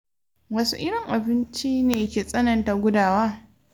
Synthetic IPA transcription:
wɐ˦sṵ˦ʔɪ˦ɽɪ˨ŋʔa˨bɪ˦nt͡ʃi˦neː˨˦kʲeː˨sʼɐ˦nɐ˨nta˨ɡʷʊ˦daː˨waː˦

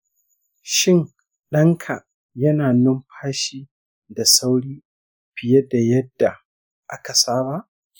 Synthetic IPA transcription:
ʃɪ˦ŋ | ɗɐ˦ŋkʰa˨ | jɐ˦naː˨nʊ˦mɸʰaː˦ʃiː˦ | da˨sa˦wɽiː˦ | ɸɪ˨je˦da˨jɐ˦dːa˨ | ʔa˦ka˨saː˦ba˦˨ʔ

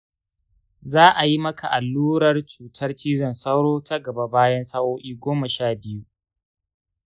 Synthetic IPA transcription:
zaː˦ʔa˨ji˦mɐ˦kʰa˨ʔa˨lːuː˦ɾɐ˦˨rt͡ʃuː˨tʰɐ˦rt͡ʃiː˦zɐ˨nsɐ˦wɽoː˦tʰa˦ɡɐ˨ba˦baː˦jɐ˦nsaː˦woː˦ʔiː˦ɡʷoː˦mɐ˨ʃaː˦˨bɪ˦ju˦

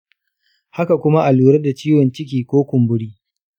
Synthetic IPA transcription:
ha˦ka˨kʷʊ˦ma˦ʔa˨luː˨ɾɐ˦da˨t͡ʃiː˦wɔ˨nt͡ʃɪ˦k̬ʲiː˨kʷoː˦kʷʊ˨mbʊ˦ɽiː˦

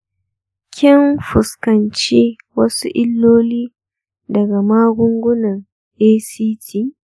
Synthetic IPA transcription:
kʲʰɪ˦nɸʊ˨skɐ˨nt͡ʃi˦ | wɐ˦sṵ˦ʔɪ˦lːoː˦liː˦ | dɐ˨ɡa˨maː˦ɡʷʊ˦ŋɡʷʊ˦nɐ˨ŋ | ʔeː˦siː˦tiː˦

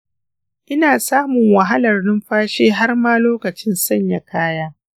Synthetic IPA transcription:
ʔɪ˦naː˨saː˦mʊ˨ŋwɐ˨ɦa˦lɐ˨rnɪ˦mɸaː˦ʃeː˦ɦa˦rmaː˦loː˦kɐ˨t͡ʃɪ˦nsɐ˦˨ɲja˨kaː˦jaː˦

